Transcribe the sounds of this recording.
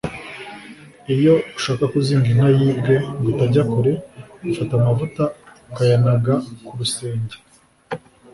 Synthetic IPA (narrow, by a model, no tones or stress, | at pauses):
ijo̞uʃaːkakuziːŋɡinajiːbɡe̞ɡutaɟakoɾe̞ɡufatamavutaukajanaɡakuɾuse̞ːɲɟe̥